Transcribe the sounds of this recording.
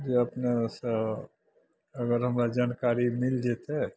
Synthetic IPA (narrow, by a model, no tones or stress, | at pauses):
d͡ʒoəpnesə | əɡəɾɦəmɾad͡ʒaːnkaɾimɪld͡ʒet̪ɦɛ